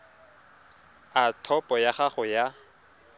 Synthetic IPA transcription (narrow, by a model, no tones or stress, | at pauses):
atʰɔpʼɔjaχaχʊja